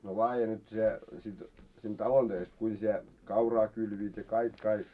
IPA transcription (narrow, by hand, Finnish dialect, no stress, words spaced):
no lɑːje nyt se sit siːn tɑlon d̥øist kuin sie kɑurɑː kylʋiːt jɑ kɑik kɑik